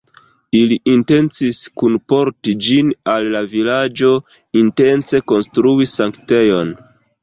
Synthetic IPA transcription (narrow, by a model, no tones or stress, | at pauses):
iliʔinte̞nt͡siskunpo̞ɾtid͡ʒinalːavilad͡ʒo̞ | inte̞nt͡se̞ko̞nstɾuisaŋkte̞jo̞n